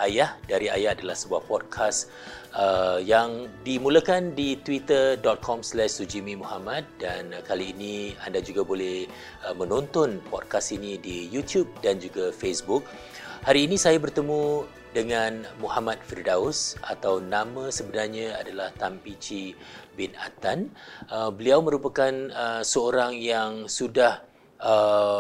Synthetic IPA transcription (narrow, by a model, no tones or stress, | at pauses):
ʔajahdaɾia̰jahadalahsəbuahpɔd̚kʰas | əjaŋdimũləkandit̪wit̪ərdɔt̪̚kʰɔmslɛʃsud͡ʒimimuhamãt̪̚dankaliːnia̰ndad͡ʒuɡabolɛh | əmə̃nõnt̪ɔnpɔd̚kasinidijut̪jub̚dand͡ʒuɡafesbuk̚ | haɾiːnĩsajabərt̪əmũ | dəŋanmuhamãt̪̚firdaʊsʔat̪awnamãsəbənarɲãadalaht̪ampit͡ʃi | bɪna̰t̪anəbəliawmə̃ɾupakanəsəoɾaŋjaŋsudah | ə